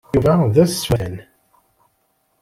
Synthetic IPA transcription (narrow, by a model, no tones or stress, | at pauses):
uvæðæswæn